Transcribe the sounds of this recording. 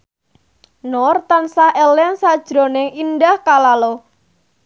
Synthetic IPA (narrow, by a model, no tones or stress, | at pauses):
nɔrt̪ansahelɛnsad̥ʒ̥ɾo̤nɪŋindahkalalo